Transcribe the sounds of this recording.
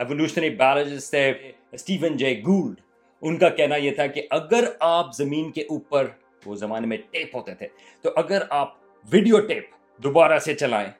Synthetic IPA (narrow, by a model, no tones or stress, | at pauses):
ɛʋoluːʃibæːɾəd͡ʒɪzt̪ʰe | sʈiːʋə̃nd͡ʒeːɡuːlɖ | ʊnkakɛɦnajet̪ʰakiʔɐɡəɾaːpzɐmĩːnkeʔuːpəɾ | ʋozɐmaːnemẽʈeːpɦoːt̪et̪ʰe | t̪oʔɐɡəɾaːp̚ | ʋɪɖijoʈeːp | d̪obaːɾaset͡ʃɐla̰ːḛ̃ː